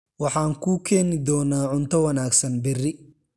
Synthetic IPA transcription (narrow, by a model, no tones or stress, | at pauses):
wɑħɑːŋkʰuːkʰɛːnɪd̪ɔːnaːʕʊnt̪ʰɐwɐnaːɡsɐnbɪrɪ